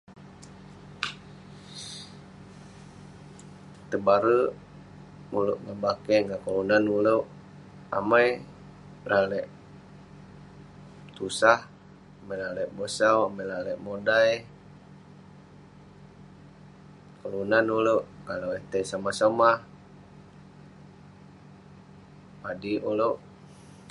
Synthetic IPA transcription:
t̪əbaɾə | muluʔŋabakɛŋɡakəlunanuləʔ | a̰maj | lʔalɛʔ | t̪usah | amajlalɛʔbosawamajlalɛʔmodaj | kəlunanuloʔkalowet̪esamahsamah | padiʔuloʔ

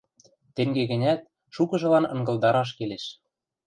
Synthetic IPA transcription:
t̪eŋɡeɣɘ̆nʲæt̪̚ | ʃukɤ̆ʒɤ̆lɑnɤ̆ŋɡɤ̆ld̪ɑɾɑʃ̬keleʃ

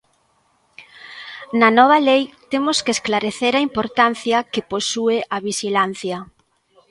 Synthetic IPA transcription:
nɐnɔβ̞ɐlejt̪emʊskesklaɾeθeɾaimpoɾt̪an̟θjɐkeposueʔɐβiʃilan̟θjɐ

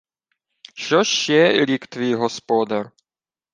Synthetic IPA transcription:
ʃɔʃɛlʲikt̪vʲiːɦɔspɔd̪aɾ

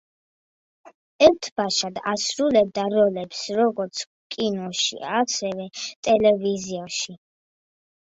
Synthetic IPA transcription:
ɛɾt̪ʰbaʃad̪asɾulɛb̚d̪aɾɔlɛpsɾɔɡɔɾt̪sʰ | kʼinɔʃḭaasɛvɛt̪ʼɛlɛviziaʃi

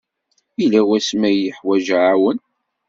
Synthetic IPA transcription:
ilæwæsmæjəħwæʒʕawən

